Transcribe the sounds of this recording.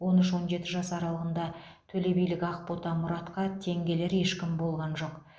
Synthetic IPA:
wo̞nʏʃwo̞nʒe̞t̪ɪʒɑsɑɾɑlˠəʁənd̪ɑt̪ʰɵle̞bijlɪkʲɑqpot̪ɑmʊɾɑt̪qɑt̪ʰe̞ŋɡʲe̞le̞ɾje̞ʃkʲɪmbo̞lˠʁɑnʒo̞q

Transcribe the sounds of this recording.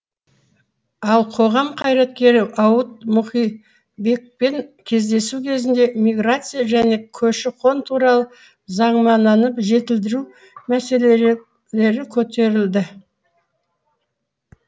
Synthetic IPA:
ɑlˠqʰo̞ʁɑmqʰɑjɾɑt̪̚kʲe̞ɾɪʔɑwət̪̚mʊχij | be̞k̚pe̞ŋkʲʰe̞zd̪e̞sukʲʰe̞zɪnd̪e̞mʲijɡrat̪sɨjaʒæne̞kʲʰɵʃɪqʰo̞nt̪ʰuɾɑlˠə | zɑɴmɑnɑnəpʒe̞t̪ɪld̪ɪɾu | mæse̞le | le̞ɾɪkʲʰɵt̪e̞ɾɪld̪ɪ

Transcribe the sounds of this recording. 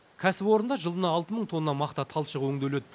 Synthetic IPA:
kʲʰæsɪpo̞ɾənd̪ɑʒəlˠənɑːlˠt̪əməɴt̪ʰo̞nːɑmɑqt̪ɑt̪ʰɑlˠʃəʁwɵŋd̪ele̞d̪

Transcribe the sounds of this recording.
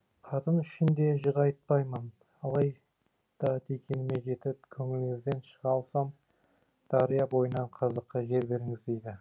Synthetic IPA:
qʰɑt̪ənʏʃɪnd̪e̞ʒəʁɑjt̪̚pɑjmən | ɑlˠɑj | d̪̥ɑd̪e̞kʲe̞nɪme̞ʒe̞t̪ɪp̚kʲʰɵŋɪlɪŋɪzd̪e̞nʃəʁɑlˠsɑm | d̪̥ɑɾijɑbo̞jənɑɴqʰɑzəqːəʒe̞ɾbe̞ɾɪŋɪzd̪ejd̪ɪ

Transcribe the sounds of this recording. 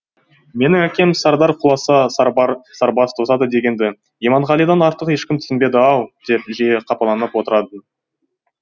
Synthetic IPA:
me̞nɪŋækʲe̞msɑɾd̪ɑɾqʰʊlˠɑsɑ | sɑɾbɑst̪ʰosɑd̪əd̪e̞ɡʲe̞nd̪ɪ | emɑɴʁɑlˠijd̪ɑnɑɾt̪əqje̞ʃkʲɪmt̪ʰʏ̥sɪmbe̞d̪ɪɑw̪ˠd̪̥e̞pʒeqʰɑpɑlˠɑnəpwo̞t̪əɾɑd̪ən

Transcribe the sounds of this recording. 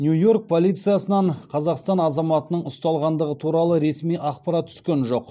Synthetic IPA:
njujo̞ɾk̚pʰo̞lˠijt̪sɨjasənɑɴqʰɑzɑqst̪ɑnɑzɑmɑt̪ənəɴʊst̪ɑlˠʁɑnd̪əʁət̪ʰuɾɑlˠəɾe̞smijʔɑχpɑɾɑt̪̚ːʰʏ̥skʲe̞nʒo̞q

